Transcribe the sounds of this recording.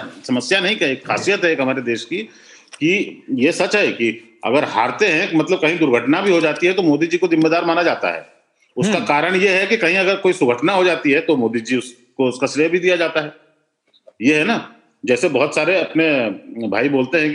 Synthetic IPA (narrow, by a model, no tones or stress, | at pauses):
sɐməsjanɐɦĩkɐeːkxʰa̰ːsijət̪ɦɛeːkɦɐmaːɾed̪eːʃki | kijesɐt͡ʃɦɛki | ɐ̰ɡəɾɦa̰ːɾt̪eɦɛ̃kmɐt̪ləb̚kɐɦĩd̪ʊɾɡʱəʈnabʱiɦod͡ʒaːt̪iɦɛt̪omoːd̪id͡ʒikozɪmːed̪aːɾmaːnad͡ʒaːt̪a̰ɦɛ̰ː | ʊskakaːɾəɽ̃jeɦɛkikɐɦĩɐɡəɾkoːisʊɡʱəʈnaɦod͡ʒaːt̪iɦɛt̪omoːd̪id͡ʒiʊs | koʊskasɪɾebʱid̪ijad͡ʒaːt̪aɦɛː | jeɦɛna | d͡ʒɛːsebɐɦʊt̪saːɾeɐpnebʱaːiboːlt̪eɦɛ̃